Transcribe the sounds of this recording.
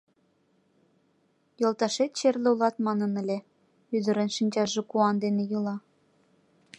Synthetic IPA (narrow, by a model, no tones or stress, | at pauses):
jolˠt̪ɑʃet̪t͡ɕerlʲĕulˠɑt̪mɑnɤ̆nə̆lʲe | yd̪ə̆ɾə̆nʃinʲd͡ʑɑʒĕkuɑnd̪enejulˠɑ